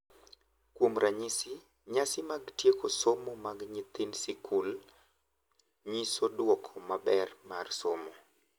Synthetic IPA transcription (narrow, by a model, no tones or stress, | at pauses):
kwomɾʔaɲisɪ | ɲasɪmaɡtjekosomomaɡɲɪt̪ɪnsikʰul | ɲisodwɔkʰɔmabɛrmarsomo